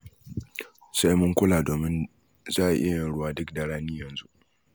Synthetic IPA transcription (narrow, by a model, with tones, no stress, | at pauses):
sa˦jmʊ˦ŋkʷʊ˦laː˨doː˨mɪ˦n | zaː˦ʔʔɪ˦ja˨jɪ˦˨nɽʊ˦waː˦dʊ˦kda˨ɽaː˦niː˦jɐ˨nzu˦ʔ